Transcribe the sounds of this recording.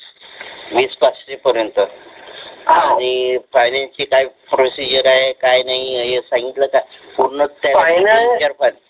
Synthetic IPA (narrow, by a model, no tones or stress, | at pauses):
ʋiːspast͡ɕipəɾjənt̪ə | añifajnãnt͡ɕikajpɾosid͡ʑəɾaɦekajnaɦiəɦesãŋɡit̪ləkajpuɾnət̪aankaɾfan